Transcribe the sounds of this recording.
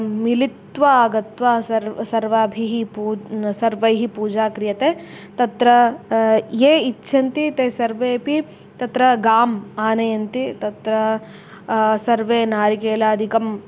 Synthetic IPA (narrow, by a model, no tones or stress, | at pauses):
milit̪ʋɐɡɐt̪ʋaːsɐɾsɐɾʋaːbʱiɦipuːsɐɾʋɐjɦipuːd͡ʒaːkɾijɐt̪e | t̪ɐt̪ɾɐ | jeːitːʃʰɐnt̪it̪eːsɐɾʋeːpi | t̪ɐt̪ɾɐɡaːmaːnɐjɐnt̪it̪ɐt̪ɾɐ | sɐɾʋeːnaːɾikeːlaːɐd̪ʱikɐm